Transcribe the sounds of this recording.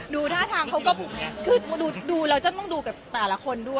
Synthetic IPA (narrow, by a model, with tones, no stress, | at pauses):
duː˧t̪ʰaː˥˩t̪ʰaː˧ŋkʰa˦˥wkɔː˥˩kʰɯː˧t̪duː˧duː˧ɾa˧wt͡ɕa˨˩t̪ɔ˥˩ŋduː˧kaː˨˩t̪ɛː˨˩la˦˥kʰo˧ndu˥˩əj